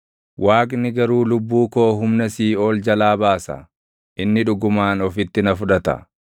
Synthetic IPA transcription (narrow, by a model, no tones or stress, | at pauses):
wʔaːkʼnɪɡɐɾuːlʊbːuːko̞ːɦʊmnɐsiːo̞ːld͡ʒɐlaːbaːsɐ̰ | ʔɪnːɪᶑʊɡʊmaːnɔfɪt̪ːɪnɐfʊᶑɐt̪ɐ̰